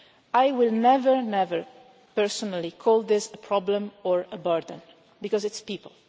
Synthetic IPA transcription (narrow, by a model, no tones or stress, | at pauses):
ajwɪlˠnɛvəɹnɛvəɹ | pɛɹsɔnalikʰɔlˠd̪ɪsəpʰɹɔblə̃mɔɹəbɜɹd̪ə̃n | bikɔzɪtspipəlˠ